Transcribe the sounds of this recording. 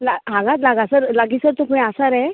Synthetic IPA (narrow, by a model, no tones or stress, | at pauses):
laɦãŋɡãt̪laɡasəɾlaɡisəɾt̪okũɛ̃asaɾɛ